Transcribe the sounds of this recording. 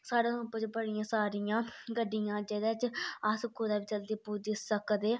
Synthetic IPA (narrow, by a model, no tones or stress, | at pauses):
saːɽeːʊpət͡ʃbəɽɪjãːsaːɾijãːɡəɖɪjãːd͡ʒɛːd̪ɛːt͡ʃəskod̪aːbiːt͡ʃəld̪iːpuːɾd̪ɪsəkd̪eː